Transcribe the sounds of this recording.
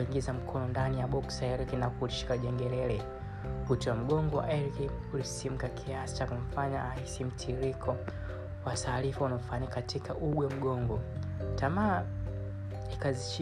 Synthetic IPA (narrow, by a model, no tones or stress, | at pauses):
iŋɡizam̩kʰɔnɔndanijaɓɔksaɛɾkinakuɾiʃi̥kaʄɛŋɡɛlɛlɛ | kutɔam̩ɡɔŋɡɔwa̰ʔɛɾki | ulisim̩kakʰiasi̥t͡ʃakum̩faɲaːhisim̩tʰiɾikʰɔ | watʰaːlifaunaufaɲikatikʰaʔuɡwɛm̩ɡɔŋɡɔ | tamaː | ikazit͡ʃ